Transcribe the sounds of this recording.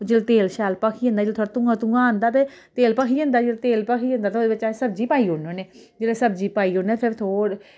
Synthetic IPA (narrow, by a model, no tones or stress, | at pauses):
d͡ʒeːlt̪eːlʃaːlpəkʰiːə̃nd̪aːd͡ʒeːlt̪ʰoːɾat̪ʊ̃ŋãːt̪ʊ̃ŋɡãːə̃nd̪aːt̪e | t̪eːlpəkʰiːə̃nd̪aːd͡ʒelt̪eːlpəkʰiːə̃nd̪aːt̪eoːd̪eːbɪt͡ʃasəbd͡ʒiːpaːiːɦoːnoːneːd͡ʒeːleːsəbd͡ʒiːpaːiːoːneːpʰɪɾt̪ʰoːɾ